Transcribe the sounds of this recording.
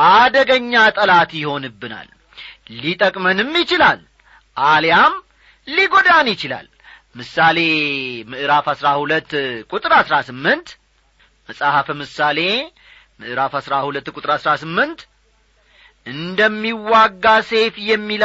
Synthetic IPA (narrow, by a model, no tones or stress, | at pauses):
ʔad̪əɡəɲːat̪ʼəlat̪jɪho̞nɨbːɨna̰lː | it̪ʼəkʼmənɨmːjɪt͡ʃɪlal | ʔaljam | liɡo̞d̪anjɪt͡ʃɪla̰l | mɨsale̞mɨʔɨɾafhasɾahulət̪ːkʼut̪ʼɨɾasɾasɨmːɨnt̪ | məsʼahafmɨsale̞ | mɨʔɨɾafhasɾahulət̪ːkʼʊt̪ʼɨɾasɾasɨmːɨnt̪ | ʔɨnd̪əmːiwːaɡːase̞fjɛmːil